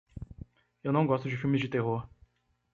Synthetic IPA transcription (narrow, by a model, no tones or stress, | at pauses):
ewnɐ̃w̃ɡɔst̪ʊd͡ʒɪfiwmɪzd͡ʒɪt̪eɦoɾ